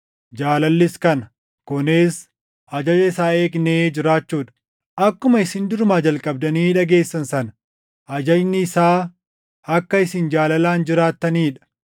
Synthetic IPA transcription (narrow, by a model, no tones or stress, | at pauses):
d͡ʒaːlɐlːɪskɐnɐ | kʊneːs | ʔɐd͡ʒɐd͡ʒɐɪsaːe̞ːkne̞ːd͡ʒɪɾaːt͡ʃːuːᶑɐ̥ | ʔɐkːʊmɐɪsɪnd̪ʊɾmaːd͡ʒɐlkʼɐb̚d̪ɐniːᶑɐɡe̞ːsːɐnsɐnɐ | ʔɐd͡ʒɐd͡ʒnɪːsaː | ɐkːɐɪsɪnd͡ʒaːlɐlaːnd͡ʒɪɾaːt̪ːɐniːᶑɐ̥